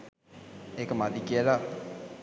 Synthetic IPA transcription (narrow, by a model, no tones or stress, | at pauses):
ekəmad̪ikiəla